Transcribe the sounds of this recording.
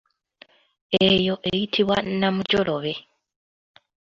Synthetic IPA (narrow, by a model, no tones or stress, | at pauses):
ejo̞ʔejitʰiβwa̰namuɟolo̞βe̞